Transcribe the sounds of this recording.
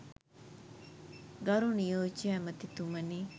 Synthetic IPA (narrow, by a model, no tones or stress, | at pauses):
ɡɐɾunijoːt͡ʃijamət̪it̪uməniː